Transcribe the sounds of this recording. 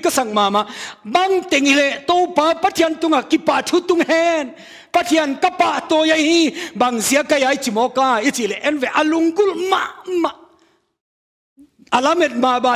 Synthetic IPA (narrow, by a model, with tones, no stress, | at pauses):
ka˧sa˨ŋmaː˨ma˧˨ʔba˧˨ŋt̪e˨ŋhi˧lɛ˧˨ʔt̪o˧˨wpaː˨˧˦pa˧t̪ʰi˧ə˨nt̪u˧˨ŋa˨ki˧pːa˧˨ʔt̪ʰu˧˦t̪u˧˨ŋhɛ˧n | pa˧˨t̪ʰi˧ənka˧pa˧˨ʔt̪oː˧ja˧˦jhĩ˧˩ba˨ŋzi˨˦ɐ˦ka˧˨jaː˨˦jt͡si˧˨˩mɔː˧˦kaː˧i˦t͡si˧˨lɛ˧˨ʔɛ˧˨nvɛ˨ʔa˧˨lu˧˨ŋɡu˧˥˨lma˧˥ʔma˧ʔ | ʔa˨la˦me˨˩t̪̚ma˧˨baː˧˨